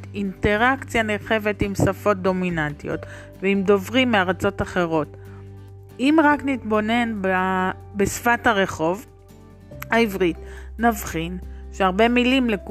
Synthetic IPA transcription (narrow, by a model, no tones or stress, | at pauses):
inte̞ʁakt͡sjaneʁχe̞ve̞timsafo̞t̚d̪o̞minantio̞̰t | veimdo̞vʁimːeaʁat͡so̞taχe̞ʁo̞t | imʁaknitbo̞ne̞nba | besfathaʁe̞χo̞v | haivʁitnavχinʃeaʁbe̞milimlek